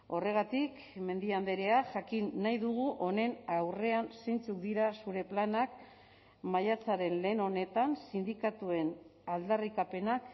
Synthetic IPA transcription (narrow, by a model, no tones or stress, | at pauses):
o̞re̞ɣ̞at̪ik | me̞nd̪iand̪eɾe̞aʝakinːajðuɣ̞uʔo̞ne̞nawre̞anse̞jnt͡suk̚d̪iɾasuɾe̞planak | majat͡saɾe̞nle̞ːno̞ne̞t̪ansind̪ikat̪ue̞nald̪arikape̞nak